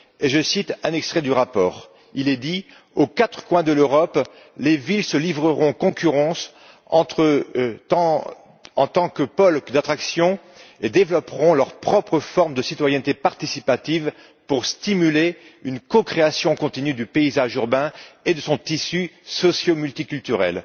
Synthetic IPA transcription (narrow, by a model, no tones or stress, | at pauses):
eʒəsit̪ɛ̃nɛkst̪χɛd̪yʁapɔːʁ | ilɛd̪i | okat̪χə̥kwɛ̃d̪əløʁɔp | levilsəlivʁəʁɔ̃kɔ̃kʲyʁɑ̃s | ɑ̰̃t̪χəɑ̃ | ɑ̃t̪ɑ̃kəpɔlkd̪at̪χaksjɔ̃ | ed̪evlɔpʁɔ̃lœʁpχɔpχəfɔʁmd̪əsit̪wajɛnt̪epaʁt̪isipat̪iv | puʁst̪imyleynkɔkχeasjɔ̃kɔ̃t̪inyd̪ypeizaʒyʁbɛ̃ed̪əsɔ̃t̪isysɔsjomylt̪ikʲylt̪yʁɛ̰l